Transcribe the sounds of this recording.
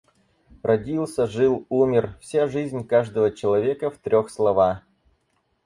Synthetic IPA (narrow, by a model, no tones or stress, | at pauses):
rʔɐdʲilˠsʲəʐɨlˠumʲɪrfsʲaʐɨzʲnʲkaʐd̪əvət͡ɕɪlˠɐvʲe̞kəft̪ɾʲoxslˠɐva